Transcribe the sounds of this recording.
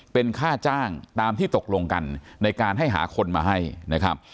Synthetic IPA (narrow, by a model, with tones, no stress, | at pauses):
pe˧nkʰaː˥˩t͡ɕaː˥˩ŋt̪aː˧mt̪ʰiː˥˩t̪o˨˩k̚lo˧ŋka˧nːa˧jkaː˧nɦa˥˩jɦa̰ː˩˦kʰo˧nmaː˧ɦa˥˩jna˦˥kʰɾa˦˥p̚